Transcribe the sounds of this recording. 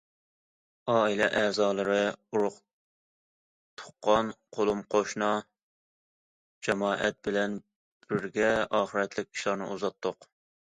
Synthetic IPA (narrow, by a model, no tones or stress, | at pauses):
ɑːilˠɛʔɛːzɑːlˠɨɾɨuɾʊq | t̪ʰʊ̥qːɑnqʰolˠumqʰoʃnɑ | d͡ʒɛmɑːʔɛ̰t̪̚bɪlɛn | b̥ɪɾɡʲɛɑːχəɾɛt̪lɪk̚ʲʰi̥ʃlˠɑɾnɨ̰uzɑt̪ʰːʊq